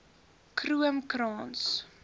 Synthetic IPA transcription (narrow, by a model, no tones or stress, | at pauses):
kruəmkrɑːns